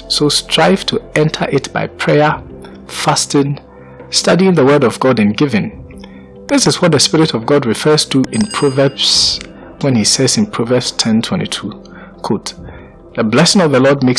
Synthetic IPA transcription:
sostʰɹ̥aɪv̥tʰuɛ̃ntʰəʔɪtb̥a̰ɪpʰɹ̥ɛə | fastɪ̃n | stadiɪ̃ŋðəwɜ˞ɾɔvɡɔdɨ̃nɡɪvɨ̃n | ðɪsɨzwɔt̚ðəspɪɹɪtɔvɡɔdɹɪfɜ˞stʰuʔɪ̃npʰɹ̥ovə˞bs | wɛ̃nisɛzɨ̃npʰɹ̥ovəb̥stʰɛ̃ntʰwɛ̰̃ntitʰu | kʰot | ðəblɛsɪ̃ŋɔvðəlɔd̚mek

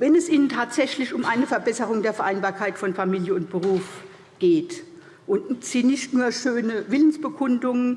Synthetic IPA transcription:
vɛnɛsʔiːnəntʰaːtz̥ɛçlɪçʊmʔaɪnəfɛɐbɛsəʁ̞ʊŋdeːɐfɛɐʔaɪnbaːɐkʰaɪtfɔnfamiːljəʊntb̥əʁuːf | ɡ̥eːt | ʔʊntz̥iːnɪçtnuːɐʃøːnəvɪlənsb̥əkʰʊndʊŋən

